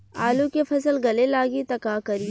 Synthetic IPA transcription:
aːlũkefʰɐsəlɡɐlelaːɡit̪ɐkakɐɾi

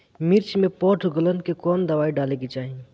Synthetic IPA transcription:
mɪɾt͡ʃmẽpɔːʈʰɡələnkekɔːnd̪əʋaːiɖaːleɡit͡ʃaːɦĩ

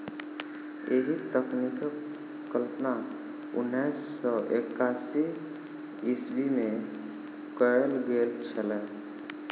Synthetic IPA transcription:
eːɦit̪əknikəkː | əlpna | ʊ̰nːiːsːɔʔeːkaːsi | ɪsbimẽ | kəɽəlɡeːɾt̪t͡ʃʰəlɛː

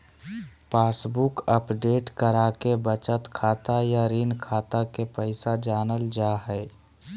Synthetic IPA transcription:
paːsbukəpɖeːʈkəɾaːkebət͡ʃət̪kʰaːt̪ajaɾiːnkʰaːt̪akepəɪsad͡ʒaːnəld͡ʒaɦɛː

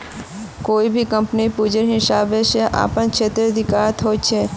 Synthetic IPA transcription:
koibʱikəmpnipud͡ʒənɦɪsabeʃeʔa̰pəɳt͡ʃʰet̪ɾəd̪ɪkaɾət̪ɦojt͡ʃʰe

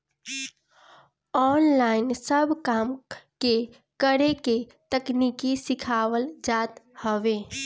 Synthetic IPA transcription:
ɔːnlaːɪnsəbʱkaːmke | kəɾeke | t̪əknikisɪkʰaːwəld͡ʒaːt̪həʋeː

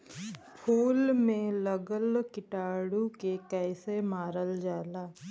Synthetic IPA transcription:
pʰoːlmẽləɡəlkɪʈaːɽukekɛːsemaːɾəld͡ʒaːlaː

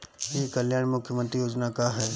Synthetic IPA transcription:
jekəljaːɽ̃mʊkʰːjəmə̃nt̪ɾijoːd͡ʒnakaɦɛː

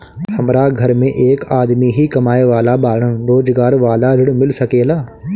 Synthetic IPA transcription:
hɐmɾaɡʱɐɾmẽʔeːkaːd̪miɦikɐmaːeʋaːlabaːɽənɾoːd͡ʒɡaːɾʋaːlaɾɪɽmɪlsɐkeːlaː

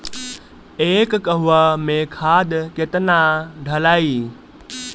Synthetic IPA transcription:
eːkːɐɦʊʋamẽkʰaːd̪ket̪ənãɖʱɐlaːiː

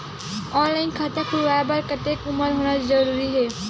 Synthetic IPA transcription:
ɔ̃ːnlaːɪnkʰat̪akʰʊʋajbaɾkɐt̪eːkʊməɾɦoːñad͡ʒzɐɾuːɾiɦɛː

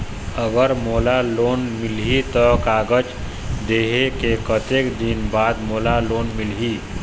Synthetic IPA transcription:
əɡəɾmoːlaloːnmɪlɦit̪ɔkaːɡəd͡ʒ | d̪eːɦekekət̪eːkd̪inbaːd̪moːlaloːnmɪlɦiː

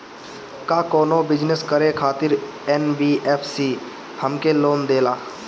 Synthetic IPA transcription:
kaːkoːnobɪd͡ʒnəskəɾekʰaːt̪ɪɾɛnbiːɛːpʰsiː | həmkeloːnd̪eːlaː

